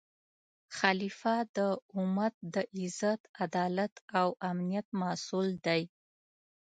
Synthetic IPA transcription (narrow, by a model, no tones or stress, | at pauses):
xɑlifad̪əʊmat̪̚d̪əʔɪzat̪ad̪ɑlat̪awamnijat̪̚masuld̪aj